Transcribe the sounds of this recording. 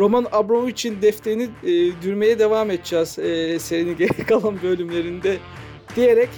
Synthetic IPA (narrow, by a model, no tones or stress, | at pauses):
ɾo̞manabɾomuit͡ʃʰind̪ɛft̪ʰe̞jiniːd̪yɾme̞jɛd̪e̞vaːmet̪̚d͡ʒaz̥ːseɾiniɟeɾɛkʰalˠanbø̞lʲymlʲe̞ɾind̪ɛ | d̪̥ije̞ɾɛc